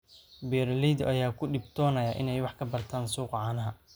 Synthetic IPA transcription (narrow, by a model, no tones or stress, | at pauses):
bɛːɾlid̪ʔɐjaːkʰʊɖɪbt̪ʰɔːnɐjaʔɪnɛjwɑħkʰɐbɐrt̪ʰaːnsuːqʕɑːnɐɦɐ